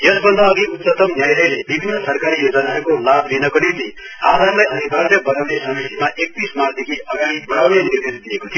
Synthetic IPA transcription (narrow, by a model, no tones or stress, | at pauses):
jʌsbʌnd̪aːɡiut̪sʌt̪ʌmnjajlʌjlebibʱinːʌsʌrkaɾijod͡zʌnaekolablinʌkʌɽid̪i | ad̪ʱarlajʌd̪ʱibʱasjʌbʌɾawnesʌmisimaʔek̚t̪ismard̪ekʰiʌɡaɽ̃ibʌɽawnenird̪esd̪iekot̪ʰijo